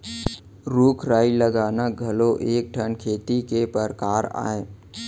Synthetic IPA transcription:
ɾuːkʰɾaːiləɡaːnaɡʱɐloʔeːk̚ʈʰənkʰeːt̪ikepəɾkaːɾa̰ːeː

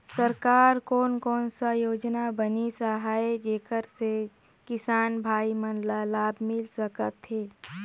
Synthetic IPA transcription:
səɾkaːɾkɔːnkɔːnsajoːd͡ʒnabənisaɦaːed͡ʒeːkəɾse | kɪsaːnbʱaːimənlalaːbmɪlsəkət̪ɦeː

